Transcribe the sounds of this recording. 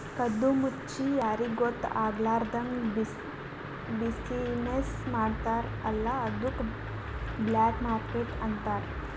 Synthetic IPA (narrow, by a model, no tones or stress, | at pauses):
kɐd̪ːumutːt͡ʃijaːɾiɡot̪ːaːɡlaːɾd̪ɐŋbi | bisinesmaːɽt̪aːɾɐlːɐɐd̪uk | blaːkmaːɾkeʈɐnt̪aːɾ